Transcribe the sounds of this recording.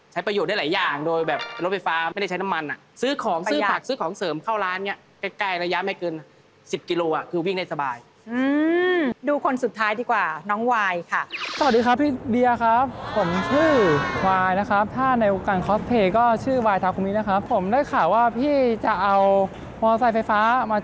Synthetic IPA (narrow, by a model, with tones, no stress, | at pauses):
t͡ɕʰa˦˥jpɾa˧joː˨˩t̚daː˥˩laː˨˦jaː˨˩ŋdoː˧jbɛː˨˩p̚ːnlo˦˥t̚ʰa˧˩jfaː˦˥ma˥˩jda˥˩t͡ɕʰa˦˥na˦˥mːa˧nʔa˨˩sɯː˦˥kʰɔː˩˦ŋsɯː˦˥pʰaː˨˩k̚sɯː˦˥kʰɔː˩˦ŋsɤː˩˦mkʰaː˥˩wlaː˦˥nːi˦˥˩ɐ | ka˧˩kaː˥˩jɾa˧ja˦˥ma˥˩jkɤː˧n | si˨˩p̚ki˧loː˧ʔa˨˩kʰɯː˧wi˥˩ŋda˥˩jsa˧baː˧j | ʔɯː˧duː˧kʰo˧nsu˨˩t̪ʰːaː˦˥jdiː˧kwaː˨˩nɔː˦˥ŋwaː˧jkʰa˥˩sa˧w̪̚diː˧kʰa˦˥pʰːiː˥˩di˧a˧kʰa˦˥pʰːo˨˩˦mt͡ɕʰɯː˥˩waː˧jna˦˥kʰa˦˥p̚t̪ʰaː˥˩na˧jʔo˧kaː˧˩nkʰɔː˦˥spʰeː˧˩kɔː˥˩t͡ɕʰɯː˥˩waː˧jt̪ʰaː˧˩kʰu˧niː˦˥na˦˥kʰa˦˥pʰːo˩˦mda˥˩jkʰaː˨˩waː˥˩pʰiː˥˩t͡ɕa˨˩ʔa˧w | mɔː˧saː˧˩fa˧jfaː˦˥maː˧